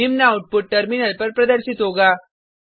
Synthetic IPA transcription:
imnauʈ̚puʈ̚ʈəɾminəlpəɾpɾəd̪əɾɕit̪ɦoɡa

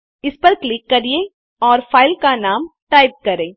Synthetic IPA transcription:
ɪspɐɾklɪkːɐɾiẽ | ɔːɾfʰaːɪlkanaːmʈaːɪp̚kɐɾẽː

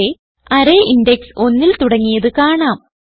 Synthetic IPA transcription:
e | ɐɾeːʔindekso̞nːilt̪uɽɐŋːijɐðɨkaːɳaːm

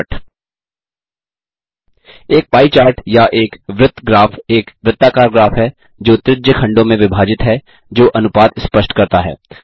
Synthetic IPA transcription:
ʈ | eːk̚paːit͡ʃaːɾʈjaʔeːkʋɾɪt̪ːɡɾaːfʰeːkʋɾɪt̪ːaːkaːɾɡɾaːfɦɛ | d͡ʒoːt̪ɾɪd̪jəkʰɐ̃ɳɖõmẽʋɪbʱaːd͡ʒɪt̪ɦɛ | d͡ʒoːʔɐnʊpaːd̪spəʃʈkɐɾt̪aɦɛ̰ː

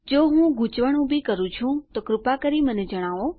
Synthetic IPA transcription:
d͡ʒoɦũɡʱũt͡ʃʋəɳ̃ubʱikəɾũt͡ʃʰũt̪okɾʊpakəɾiməned͡ʒəɽ̃aʋo

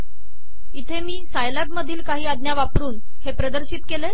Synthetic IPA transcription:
it̪ʰemiːsajlat̪məd̪ʱiːlkaɦiːad̪njaʋapɾuːn | hepɾəd̪əɾɕit̪̚kele

